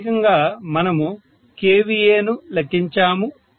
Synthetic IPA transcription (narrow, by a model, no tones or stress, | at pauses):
kɐŋɡaːmɐnɐmu | keːʋijeːnulɐkːiɲt͡ʃaːmu